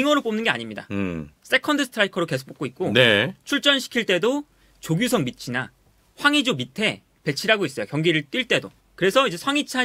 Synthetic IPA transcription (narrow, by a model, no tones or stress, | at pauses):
iŋʌɾɯp͈omnɯnɡe̞a̰ɲimɲida̰s͈ʰe̞kʰʌndɯsʰtʰɾaikʰʌɾoke̞sʰo̥kp͈ok͈oik̚k͈onet͡ɕʰuɭt͡ɕ͈ʌnɕʰi̥kʰiɭt͈e̞do | t͡ɕoɡjusʰʌŋmit͡ɕʰina | ɸwaŋid͡ʑomitʰe̞ | pe̞t͡ɕʰiɾɦaɡois͈ʌjokjʌŋɡiɾɯɭt͈wiɭt͈e̞do | kɯɾesʰʌid͡ʑe̞sʰwaŋit͡ɕʰa